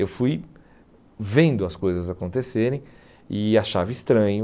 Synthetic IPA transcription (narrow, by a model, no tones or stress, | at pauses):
ewfuj | vẽnd̪ʊɐskojzɐzakõnt̪eseɾẽj̃ | ɪaʃavɪist̪ɾɐ̃ɲʊ